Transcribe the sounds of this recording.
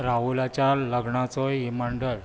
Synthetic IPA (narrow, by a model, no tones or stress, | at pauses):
ɾaulat͡ɕjaləɡɳat͡sɔjimaɳɖəɭ